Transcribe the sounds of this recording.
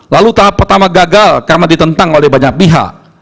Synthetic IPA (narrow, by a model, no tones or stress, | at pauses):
lalut̪aɦapːərt̪amaɡaɡalkarənadit̪ənt̪aŋolɛhbaɲak̚piɦa̰ʔ